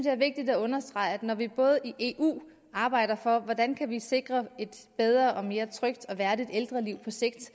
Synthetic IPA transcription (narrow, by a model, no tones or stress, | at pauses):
d̥e̝æɐʋe̝ɡ̥̚d̥id̥æɔ̽nɐsd̥ʁɑ̈ɪæd̥nɒʋib̥ɔ̽ːð̞ˠiʔe̝ʔṵː | ɑ̈ːb̥ɑ̈ɪ̰ɾ̥ɐfɒ̽ʋɒd̥ænkʰæʋise̝ɡ̥ʁɐe̝d̥b̥eð̞ˠʁɐːʔɒ̽me̝ːɐt͡sʰʁœɡ̥d̥ɒ̽ʋæɐd̥id̥eld̥ʁɐliʊ̰pʰɒ̽se̝ɡ̥̚d̥